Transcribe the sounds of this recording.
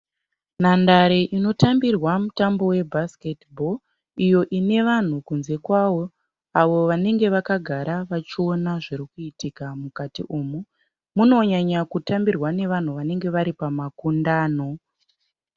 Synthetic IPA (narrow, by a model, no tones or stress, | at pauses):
nandaɾeʔino̞tambirwamutambo̞we̞bʱasketbʱo̞ | ijo̞ʔine̞ʋan̤ukunze̞kwaʋo̞ | aʋo̞ʋane̞ŋɡe̞ʋakaɡʱaɾaʋat͡ʃionaʐiɾikuitikamukatḭʔuːmu | muno̞ɲaɲakutambirwane̞ʋan̤uʋane̞ŋɡe̞ʋaɾipamakundaːno̞